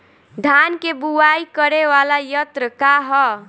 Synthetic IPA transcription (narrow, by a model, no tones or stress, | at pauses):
d̪ʱankebuwaikəɾeʋalajət̪ɾəkaɦɔ